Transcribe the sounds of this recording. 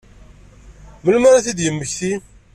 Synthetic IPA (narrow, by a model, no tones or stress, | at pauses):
məlmæɾaθid̪jəmːəçθi